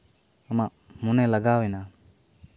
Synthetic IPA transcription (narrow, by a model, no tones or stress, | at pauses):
amaʔ | munɛlaɡawɛna